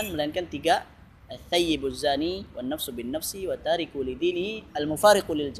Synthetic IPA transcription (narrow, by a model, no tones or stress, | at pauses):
anmalainkant̪iɡa | aθːajːibazːaːniwanːafsubinːafsiwat̪ːaːɾikulid̪iːnɪhiʔalmʊfaːɾɪqulild͡ʒ